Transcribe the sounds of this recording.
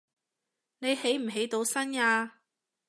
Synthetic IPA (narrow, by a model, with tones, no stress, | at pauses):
ne˨˧jhe˨˥jm̩˨˩ɦe˨˥jt̪o˨˧wsɐ˥naː˧